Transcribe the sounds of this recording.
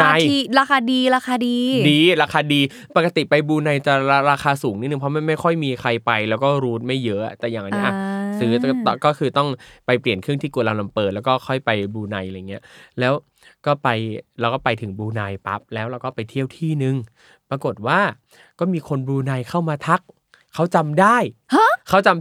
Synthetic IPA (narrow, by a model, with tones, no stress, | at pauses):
a˧ji˧˩ɾaː˧kʰaː˧diː˧ɾaː˧kaː˧diː˧diː˧ɾaː˧kʰaː˧diː˧ | pa˨˩ka˧t̪i˨˩pa˧jbuː˧na˧jt͡ɕa˨˩ɾaː˧ɾaː˧xʰaː˧suː˩˦ŋni˦˥nɯ˨ŋpʰɔ˦˥ma˥˩ma˥˩jkʰɔ˥˩jmiː˧kʰa˧jpa˧jlɛː˦˥wkɔː˥˩ɾuː˦˥t̪̚ma˥˩jːɤ˦˥ʔt̪ɛː˨˩jaː˨˩ŋʔa˨ni˦˥ʔa˧˩sɯː˦˥t̪ːt̪ːkɔː˥˩kʰɯː˧t̪ɔ˥˩ŋpa˧jpli˨˩ənkʰɾɯ˥˩ŋt̪ʰiː˥˩ku˨˩la˧la˧mpɤː˨˩t̪̚lɛ˦˥wkɔː˥˩xʰɔ˥˩jpa˧jbuː˧na˧ja˧jŋːi˦˥ɐlɛː˦˥w | kɔː˥˩pa˧jɾa˧wkɔː˥˩pa˧jt̪ʰɯ˩˦ŋbuː˧na˧jpa̰˦˥p̚lɛː˦˥wɾa˧wkɔː˥˩pa˧jt̪ʰi˥˩əwt̪ʰiː˥˩nɯ˧ŋ | pɾa˧ko˨˩t̪̚waː˥˩ | kɔː˥˩miː˧kʰo˧nbuː˧na˧jkʰa˥˩wmaː˧t̪ʰa˦˥k̚ʰː | a˦˥wt͡ɕa˧mdaː˥˩ja˦˥kʰa˥˩wt͡ɕa˧m